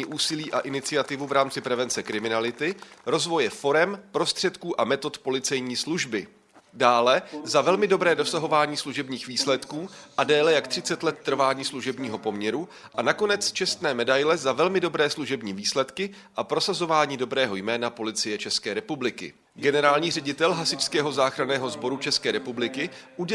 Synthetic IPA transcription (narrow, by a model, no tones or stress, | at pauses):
iːʔuːsɪliːʔa̰ʔɪnɪt͡sɪat̪ɪvuvɾaːmt͡sɪpɾɛvɛnt͡sɛkɾɪmɪnalɪt̪ɪɾo̞zvo̞jɛfo̞ɾɛmpɾo̞st̪r̝̥ɛt̪kuːʔamɛt̪o̞t̪po̞lɪt͡sɛjɲiːsluʒbɪ | daːlɛzavɛlmɪdo̞bɾɛːdo̞saɦo̞vaːɲiːsluʒɛbɲiːxviːslɛt̪kuːʔadɛːlɛjakt̪r̝̥ɪt͡sɛt̪lɛt̪ːr̩vaːɲiːsluʒɛbɲiːɦo̞po̞mɲɛɾu | ʔanako̞nɛt͡st͡ʃɛst̪nɛːmɛdajlɛzavɛlmɪdo̞bɾɛːsluʒɛbɲiːviːslɛt̪kɪ | ʔapɾo̞sazo̞vaːɲiːdo̞bɾɛːɦo̞jmɛːnapo̞lɪt͡sɪjɛt͡ʃɛskɛːɾɛpublɪkɪ̰ | ɡɛnɛɾaːlɲiːrɛɟɪt̪ɛlɦasɪt͡ʃskɛːɦo̞zaːxɾanɛːɦo̞zbo̞ɾut͡ʃɛskɛːɾɛpublɪkɪʔuɟɛ